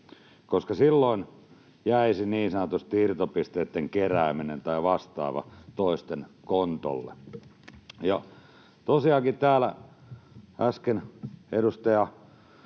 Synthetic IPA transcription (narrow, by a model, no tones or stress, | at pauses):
koskɑsilːoin | jæisiniːnsɑnot̪ust̪iirt̪opist̪eːt̪ːeŋkeræːminent̪ɑiʋɑst̪ɑ̰ːʋɑ̰t̪oist̪enkont̪o̰lːḛ | jɑ | t̪osiɑkit̪t̪æːlæ | æskenedust̪ɑjɑ